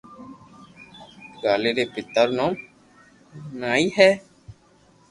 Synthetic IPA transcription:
ɡaːleːɾeːpɪt̪əɾnõːm | naːiːɦɛː

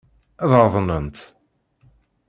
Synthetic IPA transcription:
æðɾˤðˤnənt̪

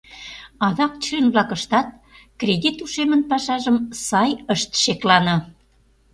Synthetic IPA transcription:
ɑðɑk̚t͡ɕenβlɑkə̆ʃt̪ɑt̪̚ | krʲedʲit̪uʃemənpɑʃɑʒəmsɑjəʃt̪ʃeklɑnɤ̆

